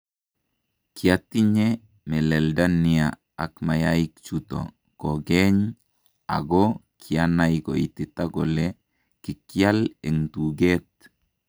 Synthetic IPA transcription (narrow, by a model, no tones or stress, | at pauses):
kʰiatiɲe | mɛlɛldania | akmajaikt͡ʃuto̰ | koɡɛɲ | a̰ɡɔkʰianajko̰ititaɡɔle | kikialɛŋtuɡet̚